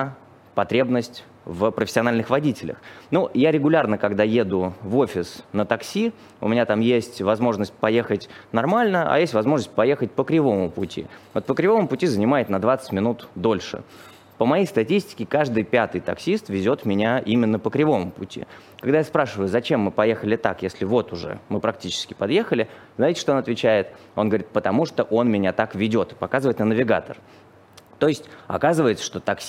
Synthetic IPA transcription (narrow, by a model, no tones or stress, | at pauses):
pɐt̪ɾʲe̞bnəsʲtʲ | vəpɾəfʲɪ̥sʲɪɐnalʲnɨxvɐdʲitʲɪlʲə̰xnujaɾʲɪɡʊlʲarnəkɐɡd̪ajed̪ʊvo̞fʲɪsnət̪ɐksʲi | ʊ̰mʲɪnʲat̪amjesʲtʲvɐzmo̞ʐnəsʲt̚ʲpɐje̞xətʲnɐrmalʲnəɐ̰jesʲtʲvɐzmo̞ʐnəsʲt̚ʲpɐje̞xət̚ʲpəkɾʲɪvo̞mʊpʊtʲḭvot̪pəkɾʲɪvo̞mmʊpʊtʲizənʲɪmajɪt̪ʲnɐd̪vat̪sə̥tʲmʲɪnut̪d̪o̞lʲʂɨ̰ | pəmɐjejst̪ɐtʲisʲtʲɪ̥kʲɪkaʐd̪ɨjpʲat̪ɨjt̪ɐ̰ksʲist̪vʲɪzʲo̞t̪mʲɪnʲaimʲɪnːəpəkɾʲɪvo̞mʊpʊtʲḭ | kɐɡd̪ajaspɾaʂɨvəjʊzɐt͡ɕe̞mːɨpɐje̞xəlʲɪt̪a̰kjesʲlʲɪvo̞t̪ʊʐɛ̰mɨpɾɐk̚tʲit͡ɕɪ̥skʲɪ̥pɐd̪je̞xəlʲɪznaɪtʲɪʂt̪oonɐt̪vʲɪt͡ɕæɪt̪o̞nɡəvɐɾʲit̪pət̪ɐmuʂt̪oʔo̞nmʲɪnʲat̪akvʲɪdʲo̞t̪pɐkazɨvəɪt̪nənəvʲɪɡa̰t̪ə̰r | t̪o̞ɪsʲtʲɐ̰kazɨvəjɪt̪sə̥ʂt̪o̞t̪ɐksʲ